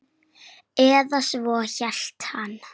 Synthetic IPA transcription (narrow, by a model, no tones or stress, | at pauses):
ɛːðasvɔːçɛɬt̪han